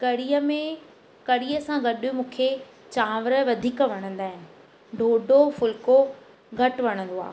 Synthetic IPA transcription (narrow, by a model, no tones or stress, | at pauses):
kɐɽijəmẽ | kɐɽijəsãɡɐɗjumũːkʰe | t͡ɕãːʋɾə̆ʋɐd̪ʱiːkʋɐɽ̃ə̃nd̪aːɦɪnɪ̆ | ɖʱoːɖʱofʊlko | ɡʱɐʈʋɐɽ̃ə̃nd̪oa̰ːɦ